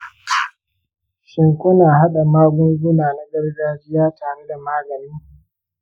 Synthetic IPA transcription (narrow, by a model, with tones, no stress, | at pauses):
ʃɪ˦ŋkʷʊ˦naː˨ɦa˦ɗa˨maː˦ɡʷʊ˦ŋɡʷʊ˦naː˨na˦ɡɐ˦rɡaː˦d͡ʒɪ˦jaː˦tʰaː˨ɽe˦da˨maː˦ɡɐ˨niː˦